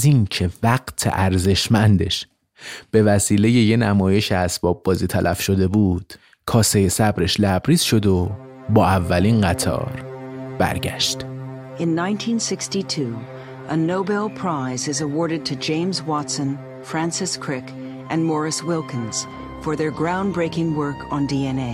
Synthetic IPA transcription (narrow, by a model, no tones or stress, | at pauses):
zincʰe̞væɢt̪ʰe̞̰ʔæɾze̞ʃmænd̪e̞ʃ | b̥e̞væsiːle̞je̞je̞næmɒːje̞ʃeæsb̥ɒːb̚ːɒːziːt̪ʰælʔæfʃo̞d̪e̞buːd̪̥ | kʰɒːsejesæbɾe̞ʃlæbɾiːz̥ʃo̞d̪o̞ | bɒːævːælinɢæt̪ʰɒ̰ːɾb̥æ̰ɾɟæ̰ʃt̪ | ɨ̃nːãɪ̃ntʰĩnsɪkstitʰʉ | ʔənoʊbɛlˠpʰɹ̥aɪzɨzəwɔɹɾɨd̚tʰɨd͡ʒẽɪ̃mzwɑtsə̃n | fɹæ̃nsɨskʰɹ̥ɪk | ʔɨ̃nmɔɹɨswɪlˠkɨ̃nz̥ | fə˞ðə˞ɡɹãʊ̃nbɹeɪkɪ̃ŋwɜ˞kʰn̩diɛneɪ